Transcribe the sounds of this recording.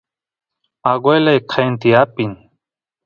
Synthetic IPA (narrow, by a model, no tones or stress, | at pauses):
aɡojlɐjkʰajnt̪iaːpin